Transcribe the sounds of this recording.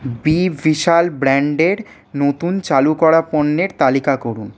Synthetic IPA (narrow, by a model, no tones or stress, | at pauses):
bivʱiʃalbɾɛɳɖeɾ | not̪unt͡ɕalukɔɾaponːeɾt̪alikakoɾun